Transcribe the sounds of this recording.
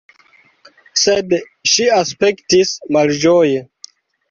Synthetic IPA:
sed | ʃiaspektismald͡ʒoje

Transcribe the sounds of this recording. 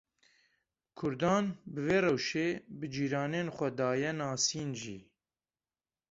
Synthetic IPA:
kʰʊɾd̪ɑːnbɨveːrɛwʃeːbɨd͡ʒiːɾɑːneːnxʷɛd̪ɑːjɛnɑːsiːnʒḭː

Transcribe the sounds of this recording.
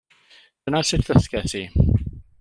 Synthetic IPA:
d̥ənasɪtʰðəθkɛtʰi

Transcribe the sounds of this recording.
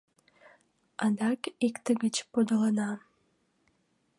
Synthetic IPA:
ɑd̪ɑkikt̪əɡət͡ɕpod̪ələnɑ

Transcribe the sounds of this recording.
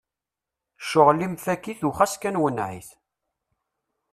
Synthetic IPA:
ʃʊʁlimfækiθuχæskænwənʕḭθ

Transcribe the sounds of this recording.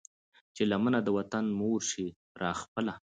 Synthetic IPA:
t͡ʃelamənad̪əwat̪anmoɾʃi | ɾʔɑxpəla

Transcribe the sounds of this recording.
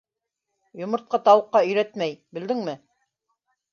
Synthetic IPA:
jŏmɤ̆ɾt̪̚qɑt̪ɑwɤ̆qːɑɵ̆jɾæt̪mæjbɘ̆ld̪ɘŋmɘ

